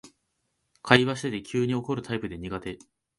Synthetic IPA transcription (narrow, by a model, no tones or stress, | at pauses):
kʰaiβaɕi̥t̪e̞t̪e̞kʲʰɨːɲ̟io̞ko̞ɾɯ̟t̪ʰaipɯ̟d̪e̞ɲ̟iɡat̪e̞